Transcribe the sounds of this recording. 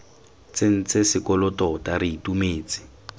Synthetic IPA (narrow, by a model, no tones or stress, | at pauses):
t͡sen̩t͡sesɪkɔlɔtɔtariitumeːt͡sɪ̥